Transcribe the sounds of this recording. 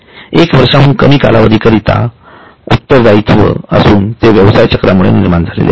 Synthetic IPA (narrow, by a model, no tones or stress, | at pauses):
ekʋəɾʂaɦuːnkəmiːka̰laʋəd̪ʱikəɾit̪a̰ | ut̪ːəɾd͡zait̪ʰʋə̰əsuːnt̪eʋjəʋsajt͡ɕəkɾamuɭḛniɾmand͡zʱalḛlḛ